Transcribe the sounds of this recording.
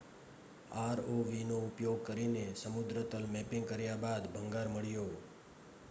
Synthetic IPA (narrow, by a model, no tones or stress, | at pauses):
aɾoʋinoʊpjoɡ̚kəɾinesəmʊd̪ɾət̪əlmɛpɪ̃ŋɡ̚kəɾjabad̪bʱə̃ŋɡaɾməɭjo